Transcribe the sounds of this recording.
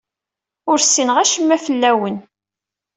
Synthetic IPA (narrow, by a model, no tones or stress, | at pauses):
ʊɾsːinəʁæʃəmːæfəlːæwən